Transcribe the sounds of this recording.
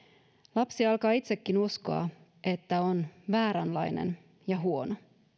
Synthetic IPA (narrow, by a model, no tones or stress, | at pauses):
lɑpsiɑlkɑːit̪se̞kːinusko̞̰ɑ̰ | e̞t̪ːæo̞nʋæːɾænlɑjnḛn | jɑɦuo̞no